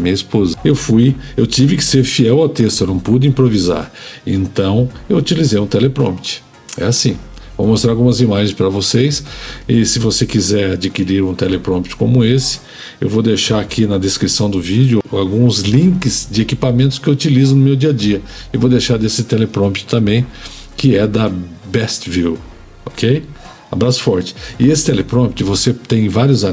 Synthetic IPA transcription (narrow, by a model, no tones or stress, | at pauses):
mĩɲɐispozɐewfujewt͡ʃivɪkɪ̥seɾfiɛwawt̪est̪ʊewnɐ̃w̃pud̪ʊĩpɾoviza̰ɾ | ẽnt̪ɐ̃w̃ewut͡ʃilizejũt̪ɛlepɾõ̰pt͡ʃɪ̥ | ɛ̰asĩ | vomost̪ɾaɾawɡũmɐzimaʒẽj̃spɾɐvosejsɪsɪvosekizɛɾad͡ʒikiɾiɾũt̪ɛlepɾõmpt͡ʃɪ̥kõmʊesɪ̥ | ewvowd̪ejʃaɾakʰinɐd̪eskɾisɐ̃w̃d̪ʊvid͡ʒʊawɡũzlĩkɪzd͡ʒɪekipamẽnt̪ʊ̥skɪewut͡ʃilizʊnʊmewd͡ʒiɐd͡ʒiɐewvowd̪ejʃaɾd̪esɪt̪ɛlepɾõpt͡ʃɪ̥t̪ɐ̃mbẽj̃ | kɪɛd̪ɐbɛst͡ʃviw | okej | abɾasʊ̥fɔɾt͡ʃɪ̥ɪesɪ̥t̪ɛlepɾõp̚t͡ʃɪvoset̪ẽj̃vaɾjʊza